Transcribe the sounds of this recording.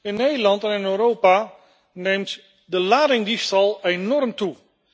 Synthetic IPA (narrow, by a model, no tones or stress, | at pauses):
ɪnːeːdəlˠɑntɛnɪnøːɾowpa | neːmt | dəlaːɾɪŋdistɑlˠenɔrmtu